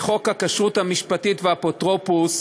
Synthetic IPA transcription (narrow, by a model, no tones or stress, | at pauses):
χo̞khakaʃʁut̪hamiʃpatitveapotʁopus